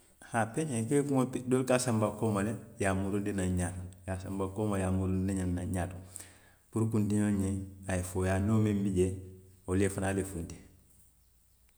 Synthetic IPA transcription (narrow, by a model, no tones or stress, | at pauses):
hapeɲeŋkekuŋopidoːlkasambakoːmalejamuɾundinaɲanjasambakoːmajaːmuɾunnaɲannaɲaːtu | puɾk̬undiɲoɲeajefojaːnoːmembiɟeolefanalefundi